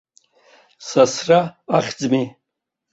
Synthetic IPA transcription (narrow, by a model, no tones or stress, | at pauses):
sasraaχʲd͡zmi